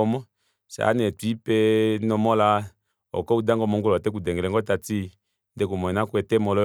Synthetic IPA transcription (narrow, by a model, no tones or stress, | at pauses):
ɔmɔ | sa̰nɛtuipenɔmɔla | ɔ̰kɔudaŋɡɔmɔŋɡolɔatɛk̬udɛŋɡɛlɛŋɡɔtati | ndɛkumɔɛnakwɛtɛmɔlɔ